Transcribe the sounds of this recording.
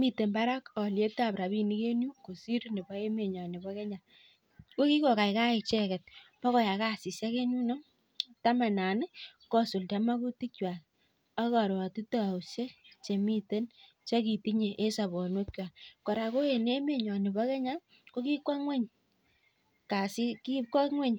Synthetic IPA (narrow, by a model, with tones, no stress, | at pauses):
mi˦te˨nba˦ɾa˦kɔ˨lje˦ta˦˨pɾa˨bi˦ni˦ke˦nju˦ko˨si˦ɾni˨bɔ˦e˦me˨ɲɔ˨nɪ˨bɔ˦ke˦ɲa˨ | ko˦ki˦kɔ˨ka˨jka˦e˨t͡ʃɛ˦kɛ˨t̚mɔ˦kɔ˨ja˨ka˦˨si˨sa˦ke˦nu˦no˦ | ta˦ma˨na˨n˦kɔ˦su˨lta˦ma˦ku˦ti˦kwa˨ | a˦ka˨ɾa˨ti˦ta˨u˨sje˦t͡ʃe˨mi˦te˦n | t͡ʃa˦ki˨ti˦ɲe˨ʔe˦sa˨bɔ˨no˦kjwa˨kɔ˨ɾa˨ko˦e˨ne˦me˨ɲɔ˨nɪ˨bɔ˦kɛ˦ɲa˦ | ko˦ki˦kwa˦ŋwɛ˦ɲ | ka˨si˦ki˦kwa˦ŋwɛ˦ɲ